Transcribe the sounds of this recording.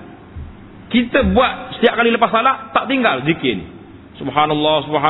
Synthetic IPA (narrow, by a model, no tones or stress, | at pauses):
kit̪əbuat̪̚sə̥t̪iap̚kaliləpasalaʔt̪aʔt̪iŋɡald͡ʒikɪn̰ | subɦanɑlːɑsubɦa